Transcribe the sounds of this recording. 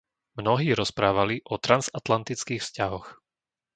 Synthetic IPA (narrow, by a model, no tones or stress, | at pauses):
mnɔɦiːɾɔspɾaːʋaliʔɔt̪ɾanzat̪lant̪it͡skiːxfscaɦɔx